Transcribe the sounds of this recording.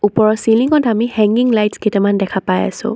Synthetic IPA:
upɔɹɔsiliŋɔtamihɛŋɡiŋlajtsketɛmandɛkʰapaja̰sʊ̰̃

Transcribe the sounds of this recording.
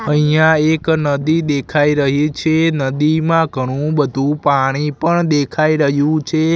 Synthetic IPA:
əɦijãeknəd̪id̪ekʰaiɾəɦit͡ʃʰenəd̪imãɡʱəɽ̃ũbəd̪ʱũpaɽ̃ipəɳd̪ekʰaiɾəɦjũt͡ʃʰe

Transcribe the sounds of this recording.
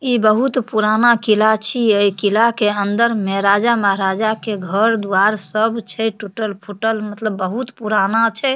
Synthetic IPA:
ibəɦut̪puɾanakilat͡ʃʰiəjkilakeənd̪əɾmeɦɾad͡ʒaməɦɾad͡ʒakeɡʱəɾd̪uaɾsəbt͡ʃʰɛʈuʈəlpʰuʈəlmət̪ləbːəɦut̪puɾanat͡ʃʰɛ

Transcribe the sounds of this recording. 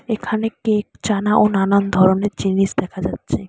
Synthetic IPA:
ekʰanekekt͡ɕanaʔonanand̪ʱɔɾoneɾd͡ʑiniʃd̪ɛkʰad͡ʑatːɕʰe

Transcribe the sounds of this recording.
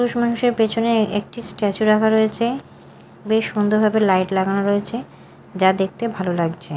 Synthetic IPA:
puɾuʃmanuʃeɾpet͡ɕʰoneek̚ʈisʈɛt͡ɕuɾakʰaɾoet͡ɕʰe | beʃond̪oɾbʱabelajʈlaɡanoɾoet͡ɕʰe | d͡ʑad̪ek̚ʰt̪ebʱalolaɡt͡ɕʰe

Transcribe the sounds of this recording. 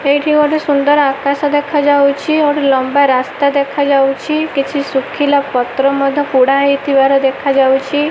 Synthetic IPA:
ejʈʰikɔʈesund̪ɔɾakasɔd̪ekʰad͡ʒawt͡ʃʰioʈilɔmbaɾast̪ad̪ekʰad͡ʒawt͡ʃʰikit͡ʃʰisukʰilapɔt̪ɾɔmɔd̪ʱɔkuɽaɦit̪ʰibaɾɔd̪ekʰad͡ʒawt͡ʃʰi

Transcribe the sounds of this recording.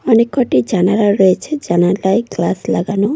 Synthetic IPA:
ɔnekːoʈid͡ʒanaɾaɾɔet͡ʃʰed͡ʒanalajklaslaɡano

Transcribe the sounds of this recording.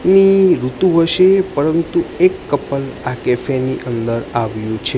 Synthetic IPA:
niɾut̪ũɦəʃepəɾənt̪uekːəpəlakɛfeniʔənd̪əɾaʋjũt͡ʃʰe

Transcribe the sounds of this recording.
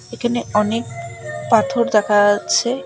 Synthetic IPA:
ekʰaneɔnek̚pat̪ʰoɾd̪akʰat͡ɕʰe

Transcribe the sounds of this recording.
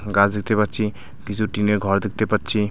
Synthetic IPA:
ɡad͡zd̪ik̚t̪epʌtt͡ʃʰi | kisuʈineɡʱɔɾd̪ik̚ʰt̪epʌtːt͡ʃʰi

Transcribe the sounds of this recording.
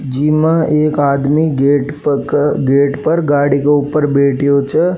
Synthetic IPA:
d͡ʒiːmə̃eːkaːd̪miɡeːʈpkɡeːʈpɐɾɡaːɽikeuːpəɾbeːʈijot͡ʃə

